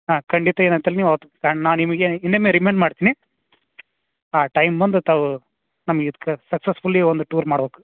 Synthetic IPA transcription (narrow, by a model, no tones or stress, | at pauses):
ɦaːkɐɳɖit̪ɐeːnɐnt̪ɐlniːʋot̪ɐkaːɳnaːnimɐɡeinːemeɾimeːɳɖmaːɽt̪iːni | aːʈɐjmbɐnd̪ut̪aːʋu | nɐmːɐɡeid̪ɐkːesɐksesfulːiond̪uʈuːɾmaːɽbeːku̥